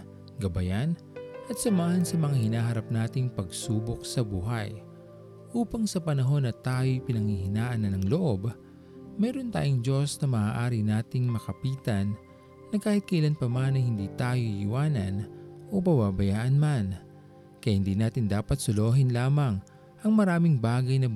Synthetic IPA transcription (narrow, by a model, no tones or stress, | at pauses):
ɡɐbɐjan | ʔɐt̪̚sɐmaːhɐnsɐmɐŋahɪnaːɦɐɾap̚naːt̪ɪŋpɐɡsuːbo̞k̚sɐbuːɦɐj | ʔuːpɐŋsɐpɐnɐɦo̞nɐt̪aːjojpɪnɐŋhihɪnaːʔɐnɐnɐŋloʔo̞b | mɛːɾont̪a̰ːjoŋd͡ʒo̞snɐmɐʔaːʔaːɾɪnaːt̪ɪŋmɐkɐpiːt̪ɐnː | ɐkaːhɪt̪̚kɐʔɪlanpɐmanɐjhɪnd̪iːt̪aːjojɪwaːnɐ̰nʔo̞pɐbabɐjaːʔɐnman | kɐjahɪnd̪iːnaːt̪ɪnd̪aːpɐt̪̚sʊloːɦɪnlaːmɐŋ | ʔɐŋmɐɾaːmɪŋbaːɡɐjnɐ